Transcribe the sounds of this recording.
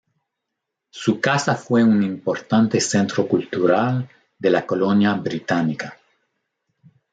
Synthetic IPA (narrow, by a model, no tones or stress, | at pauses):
sukasafweunĩmpoɾt̪ant̪esẽnt̪ɾokult̪uɾal | d̪elakolonjaβɾit̪anika